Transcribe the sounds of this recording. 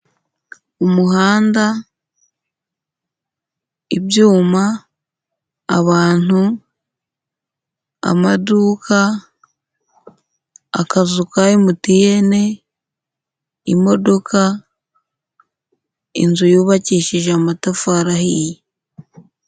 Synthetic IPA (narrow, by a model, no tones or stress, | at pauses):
umuɦaːnda | ibjuːma | βaːn̥u | a̰maduːkʰa | a̰kazukaimutije̞ne̞ | imo̞do̞kʰa | inzujuːβaciːʃiʒeamatafaɾahije